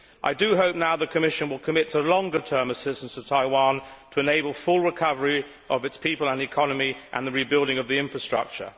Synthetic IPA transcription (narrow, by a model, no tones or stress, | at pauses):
ʔa̰ɪdɨɦoʊp̚naʊðəkʰəmɪʃɨ̃nwəlˠkʰəmɪtʰəlɔ̃ŋɡə˞tʰɜ̃˞məsɪstə̃n̩səv̥tʰaɪwɑ̃ntʰəɨneɪbəlˠfʊlˠɹɨkʰʌvə˞i | ʔʌvɨtspʰipəlˠə̃nɨkʰɑnəmiʔə̰̃nðəɹibɪlˠdɪ̃ŋʌvðiɪ̃ɱfɹəstɹ̥ʌ̰k̚t͡ʃə̰˞